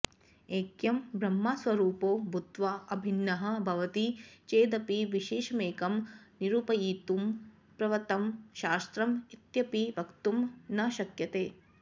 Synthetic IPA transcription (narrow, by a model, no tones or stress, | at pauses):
eːkjɐmbʱɾɐmːaːsʋɐɾuːpoːbʱud̪ʋɐɐbʱinːɐɦɐ̆bʱɐʋɐt̪it͡ʃeːd̪ɐpiʋiʃeːʃɐmeːkɐmniɾuːpɐjiːt̪um | pɾɐʋɐt̪ɐmʃaːst̪ɾɐmit̪jɐpibʱɐkt̪umnɐʃɐkjɐt̪eː